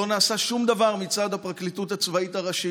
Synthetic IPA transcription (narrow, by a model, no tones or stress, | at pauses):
onaːsaʃumd̪avaʁmit͡sad̪hapʁaklit̪ut̪hat͡svaitaʁaʃi